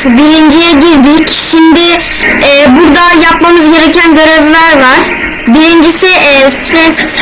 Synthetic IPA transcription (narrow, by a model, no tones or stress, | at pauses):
biɾind͡ʒijɛɟiɾd̪icʃimd̪ɪ | ɛːbuɾd̪ajapmamɯzɟe̞ɾecʰænɡøɾɛvlʲæɾvaɾ̥ | biɾind͡ʒisiɛːst̪ʰɾɛs